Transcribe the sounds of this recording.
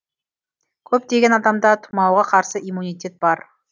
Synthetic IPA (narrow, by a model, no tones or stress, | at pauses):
kʲʰɵp̚d̪e̞ɡʲenɑd̪ɑmd̪ɑt̪ʰu̥mɑwʁɑqʰɑɾsəimunijt̪ʲe̞t̪̚b̥ɑɾ